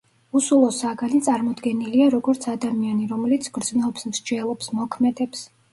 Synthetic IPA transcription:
usulˠɔsaɡanit̪sʼaɾmɔd̪ɡɛniliaɾɔɡɔɾt̪sʰad̪amianiɾɔmɛlit̪sʰɡɾd̪znɛɔpsmɾd͡ʒɛlˠɔpsmɔkʰmɛd̪ɛps

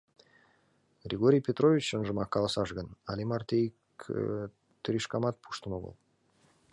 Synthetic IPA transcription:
ɡrʲeɡoɾʲijpʲet̪rovʲit͡ɕənʒə̆mɑkːɑlˠɑsɑʒɡənɑ̰lʲimɑrt̪ʲejk | t̪ɾʲiʃkɑmɑt̪̚pʰu̥ʃt̪ənoɣo̰lˠ

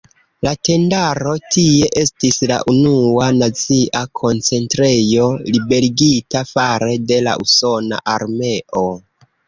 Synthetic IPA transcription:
late̞ndaɾo̞tie̞ʔe̞stisla̰ʔunuanat͡siʔakʰo̞nt͡se̞ntɾe̞jo̞libe̞ɾiɡitafaɾe̞de̞la̰ʔṵso̞na̰ʔaɾme̞ʔo

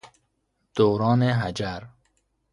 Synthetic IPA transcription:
d̪̥oːɾɑːneɦad͡ʒaɾ

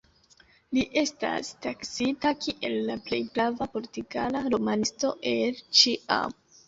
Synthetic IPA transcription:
liʔe̞sta̰staksitakʰiʔe̞lːaple̞jbɾavapo̞ɾtiɡanaɾomansto̞ʔe̞lt͡ʃiʔa̰m

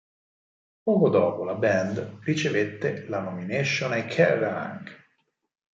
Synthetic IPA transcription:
pɔːkod̪ɔːpolabɛnd̪rit͡ʃevet̪ːelanomineʃːonajkʰɛrã̰ŋk

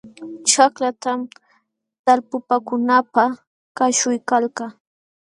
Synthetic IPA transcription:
t͡ʃaklat̪am | t̪alpʊpakʊnapa | kaʃʊjkalka

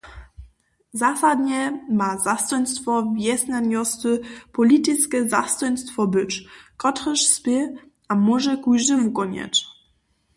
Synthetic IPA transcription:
zasad̪ɲɛmazast̪ɔjnʲst̪fɔvʲjɛsnanʲɔst̪ɘpɔlʲit̪ɪskɛza̰st̪ɔjnʲst̪fɔbɘt͡ʂkɔt̪χɛʂspʲe | amɔʐɛkujʒdəvukɔɲɛ̰t͡ɕ

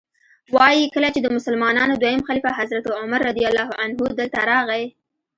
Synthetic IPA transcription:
wɑjikəlat͡ʃed̪əmʊsalmɑnɑnod̪wajəmxalifaɦazɾat̪ʊmaɾːad̪ijalːɑhanɦud̪əlt̪aɾɑɣa

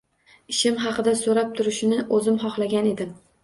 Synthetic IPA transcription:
ɪʃɪmɦɑqɨd̪asoɾap̚t̪ʰʊɾɪʃɪnɪʔɵzɪmɦɒχlˠaɡʲane̞d̪ɪm

